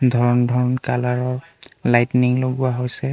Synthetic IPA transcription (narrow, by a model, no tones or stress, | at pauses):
dʱɔɹɔndʱɔɹnkalaɹɔ | lajtniŋloɡuaɦojsɛ